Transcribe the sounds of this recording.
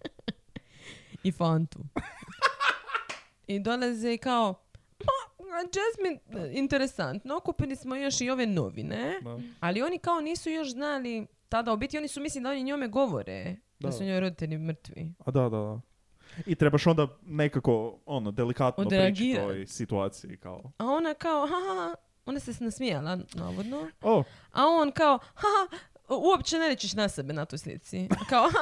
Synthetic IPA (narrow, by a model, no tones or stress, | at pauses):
ifant̪ṵ | id̪o̞lazeikao | maad͡ʒesmiint̪eɾesant̪nookupilismojo̞ʃio̞ʋe̞no̞̰ʋḭnealio̞nikao̞niːsujoʃznali | t̪ad̪aobit̪io̞nisumislid̪ao̞niɲomeɡo̞ʋo̰ɾḛ | d̪asuɲo̞jɾo̞d̪it̪eʎimr̩t̪ʋḭad̪ad̪ad̪a | it̪ɾebaʃond̪anekakoonod̪elikat̪nodoɾeaɡiɾojsit̪uaːt̪siḭka̰oao̞nakaoɦahaa | o̞nasesnasmialana̰ːʋod̪noo | aonkaoha | uopt͡ʃe̞neɾet͡ɕiʃnasebenat̪ojslḭt̪sikaoa